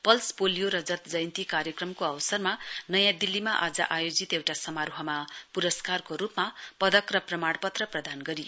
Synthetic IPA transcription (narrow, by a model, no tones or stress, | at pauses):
pʌlspolijoɾʌd͡zʌt̪d͡zʌjnt̪ikaɾjʌkrʌmkoʌwʌsʌrmanʌjãd̪ilːimaʔad͡zʌ̰ʔajod͡zit̪ewʈasʌmarɦʌmapuɾʌskarkoɾupmapʌd̪ʌkrʌprʌmaɽpʌt̪rʌprʌd̪ʱanɡʌɾi